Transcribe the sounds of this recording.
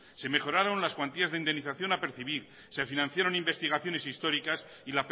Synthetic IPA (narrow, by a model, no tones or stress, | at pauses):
se̞me̞χo̞ɾaɾo̞nlaskwant̪iazðeind̪enːiθaθjo̞nape̞ɾθiβ̞iɾ | sefinãn̟θjaɾo̞nimbe̞st̪iɣ̞aθjo̞ne̞sist̪o̞ɾikas | ilap